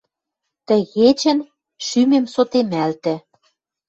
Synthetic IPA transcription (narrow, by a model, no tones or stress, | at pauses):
t̪ə̆ɣet͡ɕɘ̆n | ʃymemsot̪emælt̪ɘ̆